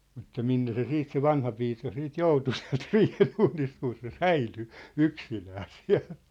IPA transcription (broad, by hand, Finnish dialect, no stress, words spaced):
mutːɑ minːe se siːt se ʋɑnhɑpiːkɑ siːt joutu siæ̝lt riːhenuːnist kun̞ se sæily yksinæː siæ̝l